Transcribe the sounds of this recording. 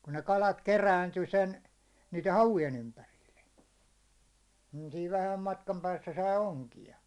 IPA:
kun ne kɑlɑt keræinty sen niːte hɑʋujen ympærilːe niː siːʋ ʋæhæm mɑtkɑm pæːsːæ sɑi oŋkiɑ

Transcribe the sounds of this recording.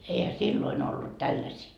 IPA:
eihæ silːoin olːut tælːæsiː

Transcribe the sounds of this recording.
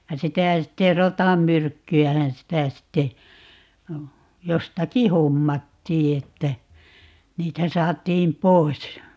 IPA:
jɑ sitæˑ sitːe rotɑmːyrkːyæhæn sitæ sitːe jostɑki homːɑtːiː etːæ niːtæ sɑːtˑiːm pois

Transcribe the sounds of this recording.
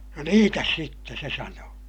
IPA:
no niːtæs sitːe se sɑnoː

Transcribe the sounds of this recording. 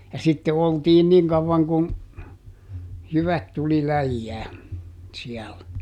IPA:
jɑ sitːe oltiːn niŋ kɑʋːɑŋ kun jyʋæt tuli læjːæː siɛl

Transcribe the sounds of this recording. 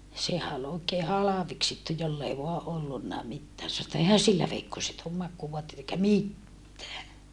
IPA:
sehæ ol oːkeː hɑlɑʋeksitːu jolː ei ʋoɑ ʔolːunːɑˑ mitːæː sɑno etːæ eihæn silːæ ʋeikːoset oːm mɑkːuːʋoɑtːeit eikæ mitːæː

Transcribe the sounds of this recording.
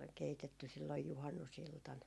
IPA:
keitetːy silːoj juhɑnːusiltɑn

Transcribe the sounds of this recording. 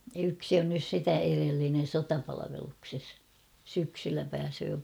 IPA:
yksi on nys sitæ erelːinen sotɑpɑlɑʋelukses syksylːæ pæːsøː

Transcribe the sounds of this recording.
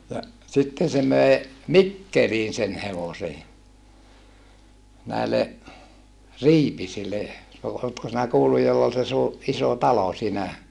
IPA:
jɑ sitːen̞ se møe mikːeliːn sen heʋosej jɑ næele riːpisilːe no oːtko sinæ kuːlːuj jolː ol se suː isoˑ tɑlo siːnæ

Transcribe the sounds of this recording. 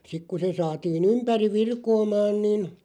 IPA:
sik ku se sɑːtiːn ympæriʋ̆ ʋirkoːmɑːn nin

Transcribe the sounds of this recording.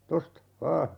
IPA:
tostɑ ʋɑː

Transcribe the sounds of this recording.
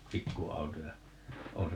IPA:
pikːuɑuto jɑ õː se

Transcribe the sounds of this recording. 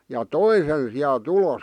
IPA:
jɑ toi sen siæl̆t uloˑs

